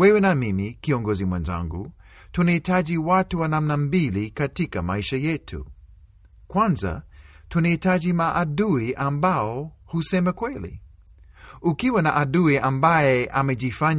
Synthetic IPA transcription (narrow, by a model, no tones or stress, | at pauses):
wɛwɛnamimikiɔŋɡɔzimwɛnza̰ŋɡṵ | tunahitaʄiwatuwanamnambilikatikama̰iʃajɛtʰṵ | kwanza̰ | tunahitaʄimaʔːɗuiʔambaɔ | husɛmɛkwɛlḭ | ukiwanaʔaɗuiʔambajɛʔamɛʄifaɲ